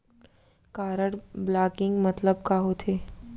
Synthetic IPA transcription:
kaːɾəɽblaːkɪ̃ŋɡmɐt̪ləbkaɦot̪ʰeː

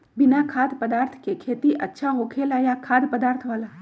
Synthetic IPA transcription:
bɪnakʰaːd̪pəd̪aːɾt̪ʰkekʰeːt̪iʔətːʃʰaɦokʰelajakʰaːd̪pəd̪aːɾt̪ʰʋala

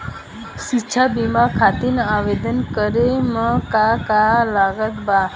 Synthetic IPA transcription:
ʃiːt͡ʃʰabimakʰat̪inaʋed̪ənkəɾeməkakalaɡət̪ba

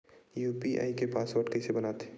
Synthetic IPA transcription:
juːpiʔa̰ːikepaːsʋɐʈkesebɐnaːt̪e̥

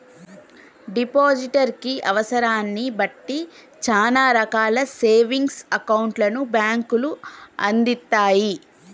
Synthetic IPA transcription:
ɖipoːd͡ʒiʈɐɾkiʔɐʋɐsɐɾaːnːibɐʈːi | t͡ʃaːlaːɾɐkaːlɐseːʋiŋɡsɐkɐwuɳʈlɐnubjaːŋkuluɐnd̪it̪ːaːji

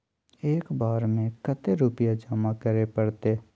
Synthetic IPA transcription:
eːkbaːɾmẽkət̪eɾʊpijad͡ʒaːmakəɾepɐɽt̪eː

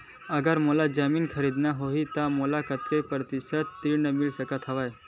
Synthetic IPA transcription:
əɡəɾməlad͡zəmiːnkʰəɾid̪naɦoɦit̪amolakət̪ɾepɾət̪isət̪ːiɳəmilsəkət̪ɦəʋaj

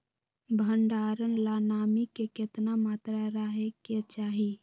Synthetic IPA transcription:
bʱəɳɖaːɾənlaːnaːmikekɪt̪namaːt̪ɾaɾaɦeket͡ʃaːɦi

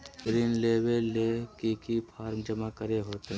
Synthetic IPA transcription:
bɾiːnleːweːekikipʰaːɾmd͡ʒəmakəɾeɦoːt̪ɛ

